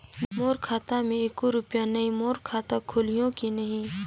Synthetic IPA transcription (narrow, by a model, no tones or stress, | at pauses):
moːɾkʰaːt̪amẽeːkoɾʊpjanɐɦĩmoːɾkʰaːt̪akʰʊlijõkinɐɦĩ